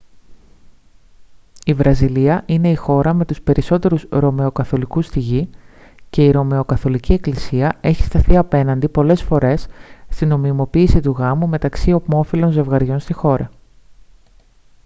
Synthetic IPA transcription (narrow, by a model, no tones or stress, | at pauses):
ivɾɐziliɐʔine̞ixo̞ɾɐme̞t̪uspe̞ɾʔiso̞t̪e̞ɾusɾo̞me̞o̞kɐθo̞likust̪iʝi | ce̞iɾo̞me̞o̞kɐθo̞licie̞klisiɐe̞çi̥st̪ɐθiɐpe̞nɐnd̪ipo̞le̞sfo̞ɾe̞sst̪ino̞mimo̞piːsit̪uɣɐmume̞t̪ɐksio̞pmo̞filo̞nze̞vɣɐɾʝo̞nst̪ixo̞ɾɐ